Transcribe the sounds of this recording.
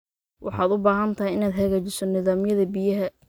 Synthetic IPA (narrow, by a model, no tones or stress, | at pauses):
wʔɑħɑːd̪ʊbaːɦɐnt̪ʰɐɦɛjɪnaːd̪ɦɐɣaːt͡ʃɪsɔnɪðaːmɪjɐðɐbɪjɐɦɐ